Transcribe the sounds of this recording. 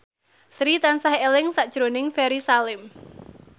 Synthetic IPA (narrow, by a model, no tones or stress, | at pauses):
sɾit̪ansahelɪŋsaʔd̥ʒ̥ɾonɪŋfɛɾisalɪm